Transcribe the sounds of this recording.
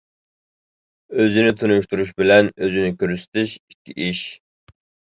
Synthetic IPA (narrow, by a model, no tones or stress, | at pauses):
øzɪnɪt̪ʰunuʃt̪uɾuʃ̬bɪlɛnøzɪnɪkʲøɾsɪ̥t̪ɪʃikʲːḭʔiʃ